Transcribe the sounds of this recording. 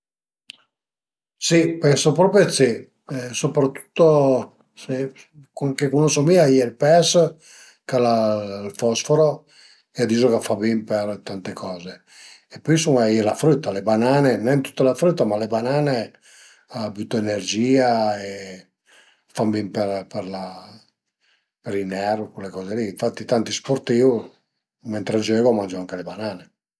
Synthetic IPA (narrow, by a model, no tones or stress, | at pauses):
sipɛnsopɾɔːpɾjot̪se | sopɾat̪ːu̥t̪ːo | se | koŋkekonɔsomiːajelpɛs | kalalfɔsfoɾo | ead̪iːzokafabimpeɾt̪ant̪ekʰɔːzeː | pːɔisuŋɛjɛlafɾyt̪ːalebanaːnenɛnt̪u̥t̪ːalafɾyt̪ːamalebanaːne | aːbyt̪ːoenerd͡ʒiːae | fambimpeɾpɛɾla | peɾinɛrkulːekɔːzeliːɱfat̪ːit̪ant̪ispoɾt̪iu | mɛnt̪ɾad͡ʒøːɡomand͡ʒoaŋkelebanaːne